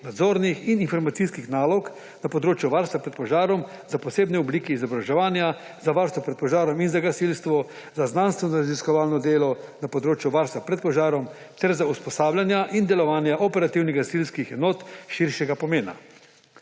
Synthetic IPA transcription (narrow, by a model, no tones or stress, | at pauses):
nad̪zoːɾnixininfɔɾmat̪sijskixnaːlɔk | napɔd̪ɾoːt͡ʃjuʋaɾst̪ʋapɾɛt̪pɔʒaːɾɔm | zapɔseːbnɛubliːkɛizɔbɾaʒɛʋaːnja | zaʋaɾst̪ʋɔpɾɛt̪̚pɔʒaːɾɔminzaɡasilst̪ʋɔ | zaznanst̪ʋɛnɔɾaziskɔʋaːlnɔd̪eːlɔnapɔd̪ɾoːt͡ʃjuʋaɾst̪ʋapɾɛt̪̚pɔʒaːɾɔm | t̪ɛɾzauspɔsaːblʲjanjaʔind̪ɛlɔʋaːnjaʔɔpɛɾat̪iwnɛɣɡasilskixɛnoːt̪ʃiɾʃjɛɡapɔmeːna̰